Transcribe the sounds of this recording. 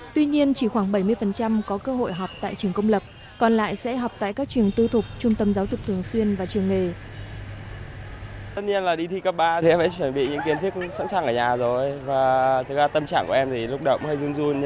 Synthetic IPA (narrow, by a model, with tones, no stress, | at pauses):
t̪wi˧ɲi˧ənt͡ɕi˧˩xwaː˧˩ŋɓə˧˩jmɨ˧əjfə˨˩nt͡ɕa˧mkɔ˨˦kəː˧ɦo̰˧˨jɦɔ˨˩wk͡p̚t̪a̰ː˧˨jt͡ɕɨ˨˩əŋkə˧wŋ͡mlə˨˩p̚ | kɔ˨˩nla̰ː˧˨jsɛ̰˧˥ɦɔ˨˩wk͡p̚t̪a̰ː˧˨jkaː˦˥k̚t͡ɕwɨ˨˩əŋt̪ɨ˧t̪ʰʊ˨˩k͡p̚t͡ɕʊ˧ŋ͡mt̪ə˧mzaː˨˦wzʊ˨˩k͡p̚t̪ʰɨ˨˩əŋswi˧ənvaː˨˩t͡ɕɨ˨˩əŋːe˨˩ | t̪ə˦˥t̚ɲi˧ənlaː˨˩ɗi˧t̪ʰi˧kə˦˥p̚ɓaː˧t̪ʰi˨˩ʔɛ˧mhɛ̰˧˥˦t͡ɕwə˧˩nɓḭ˧˨ɲɨ̰˧˥ŋki˧˦ənt̪ʰək̚sa̰˧˥nsaː˨˩ŋʔəː˧˩ɲaː˨˩zo˨˩jvaː˨˩t̪ʰɨ˨˦k̚laː˨˩t̪ə˧mt͡ɕa̰ː˧˩ŋku˧˩˨ʔɛ˧mt̪ʰi˨˩lʊ˦˥k͡p̚ɗə̰˧˨˩wŋ͡mhə˧jzɨ˧əŋzu˧n